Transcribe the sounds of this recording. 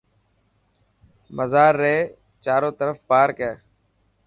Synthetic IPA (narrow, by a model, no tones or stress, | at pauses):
məzaːɾːeː | t͡ʃaːɾõːt̪əɾəfpaːɾkɛː